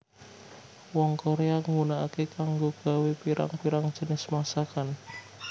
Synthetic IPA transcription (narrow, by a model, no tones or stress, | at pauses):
wɔŋkoɾeaŋunaakekaŋɡoɡ̥a̤wepiɾa̰ŋpiɾaŋd̥ʒ̥ə̤nɪsmasakan